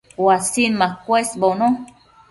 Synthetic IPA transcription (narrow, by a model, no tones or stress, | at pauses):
wasinmãkwesbonõ